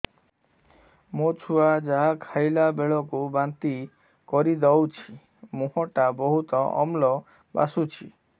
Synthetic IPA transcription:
mot͡ʃʰuad͡ʒaɦakʰajlabeɭɔkubant̪i | kɔɾid̪ɔwt͡ʃʰi | muɦɔʈabɔɦut̪ɔɔ̰mlɔ | ba̰sut͡ʃʰi

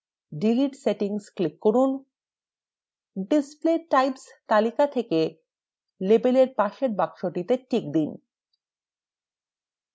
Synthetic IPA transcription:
ɖiliʈseʈiŋsklikːoɾun | ɖispleʈajpst̪alikat̪ʰeke | lebeleɾpaʃeɾbakʃoʈit̪eʈik̚d̪in

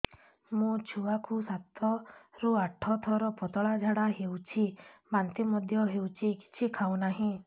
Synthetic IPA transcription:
mũt͡ʃʰuwakʰusat̪ɔɾuaʈʰɔt̪ʰɔɾɔpɔt̪ɔɭad͡ʒʱaɽaɦewt͡ʃʰimant̪imɔd̪ʱjɔɦewt͡ʃʰiki̥t͡ʃʰikʰawnaɦĩ

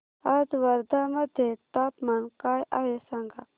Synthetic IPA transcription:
ɐd̪wɐɾd̪amɐd̪ʱet̪aːp̪mɐnkaːjajesɐŋɡa

